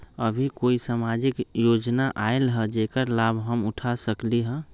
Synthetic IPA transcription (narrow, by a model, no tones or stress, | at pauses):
əbʱikoisamad͡ʒikjod͡ʒnaʔaelɦəd͡ʒekəɾlabʱɦəmuʈʰasəkliɦə̃